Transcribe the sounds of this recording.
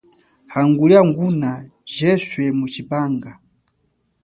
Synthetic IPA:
haŋɡuliaŋɡuna | ʒɛswɛmut͡ʃipaːŋɡa

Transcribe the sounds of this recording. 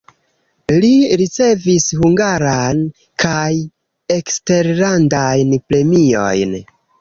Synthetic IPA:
liɾit͡se̞vishuŋɡaɾan | kʰaj | e̞kste̞ɾlandajnpɾe̞mio̞̰jn

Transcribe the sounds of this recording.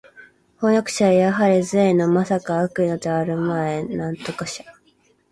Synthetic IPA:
honokɯ̥ɕajaɦaɾʲizɨeno̞masakaːkɯ̟ino̞d̪eaɾɯ̟maenãnt̪o̞kaɕḁ

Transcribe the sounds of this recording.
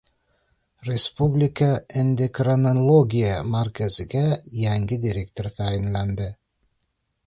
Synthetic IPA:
rʲespublʲɪkaend̪ekranalˠoɡʲijamarkæzɪɡæjæŋɡʲɪd̪ʲiɾʲekt̪ʲoɾʲt̪ʰæjɪnlænd̪ɪ

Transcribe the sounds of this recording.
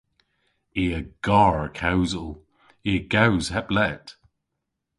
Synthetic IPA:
iəɡ̥aːɹəkʰawzəlˠ | iəɡ̥awz̥hɛplɛt

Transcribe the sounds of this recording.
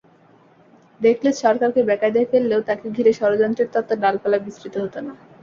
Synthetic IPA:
d̪ekʰleʃɔɾkaɾkebɛkad̪eefelːeot̪akeɡʱiɾeʃɔɾod͡ʑɔnt̪ɾeɾt̪ɔt̪ːonalpɛlabisɾit̪oɦot̪ona

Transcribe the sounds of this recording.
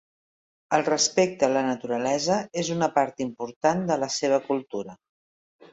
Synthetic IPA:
əlˠrəspek̚t̪əːlənət̪uɾəlɛzəezunəpaɾt̪impuɾt̪and̪ələseβ̞əkulˠt̪uɾə

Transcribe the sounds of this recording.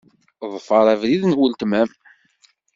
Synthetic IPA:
ðˤfɑɾˤævðiðnwəlt̪mæm

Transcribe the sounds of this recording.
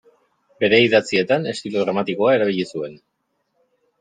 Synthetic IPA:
be̞ɾe̞iðat͡sie̞t̪ane̞st̪iluðɾamat̪iko̞ae̞ɾaβ̞iʎisue̞n

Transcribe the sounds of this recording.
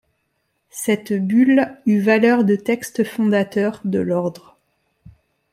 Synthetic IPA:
sɛt̪bylyvalœʁd̪ət̪ɛkst̪fɔ̃d̪at̪œʁd̪əlɔʁd̪ʁ

